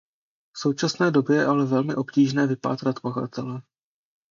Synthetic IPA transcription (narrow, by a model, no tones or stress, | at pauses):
fso̞wt͡ʃasnɛːdo̞bjɛjɛʔalɛvɛlmɪʔo̞pciːʒnɛːvɪpa̰ːt̪ɾat̪paxa̰t̪ʰɛlɛ